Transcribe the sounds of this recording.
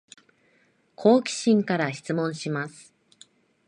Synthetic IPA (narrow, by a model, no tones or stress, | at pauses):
kʰo̞ːkʲi̥ɕĩŋkaɾaçi̥t͡sɨmõ̞ɰ̃ɕimasɨ̥